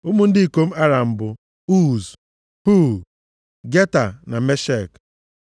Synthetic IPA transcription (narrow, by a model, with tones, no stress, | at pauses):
ʊ˦mʊ˦n̩˦dɪ˦i˨ko˦m̩˦a˦ɾa˨m̩˨bʊ˨ | u˦z | hu˦ | ɡe˦ta˨na˨me˦ʃe˦˨k